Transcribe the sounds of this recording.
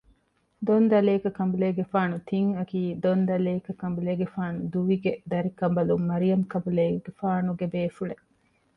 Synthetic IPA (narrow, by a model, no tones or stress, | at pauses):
d̪ond̪ɐleːkɐkɐmbuleːɡefaːnut̪ʰiŋɐkiːd̪ond̪ɐleːkɐkɐmbuleːɡefaːnud̪uʋiɡed̪ɐɾikɐmbɐlumːɐɾijɐmkɐmbuleːɡefaːnuɡebeːfuɭe